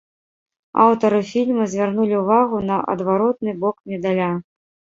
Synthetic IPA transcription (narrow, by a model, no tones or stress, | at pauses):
a̰wt̪ɐɾɨfʲilʲmɐzʲvʲarnulʲiwvaɣunɐʔɐ̰d̪vaɾɔt̪̚nɨbɔkmʲɛd̪alʲa